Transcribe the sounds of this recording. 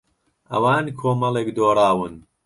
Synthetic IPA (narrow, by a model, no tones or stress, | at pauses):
ʔɐwaːnkʰoːmɐlˠeːkd̪oːɾˤaːwɨn